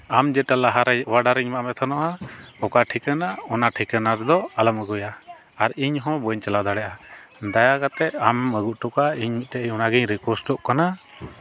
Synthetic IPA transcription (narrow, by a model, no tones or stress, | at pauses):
amd͡ʒɛʈalaɦaɾɛwaɖaɾiɲmaʔmɛt̪ʰanɔʔaɔkaʈʰikənaɔnaʈʰikənaɾɛd̪ɔaləməɡujaː | ɾiɲɦɔ̃bɔɲt͡ʃalad̪aɽɛʔad̪ajakat̪ɛʔaməɡuʔ̚ʈɔkaiɲmit̪̚tɛʔjɔnaɡɛɲɾikɛɾsʈɔʔkana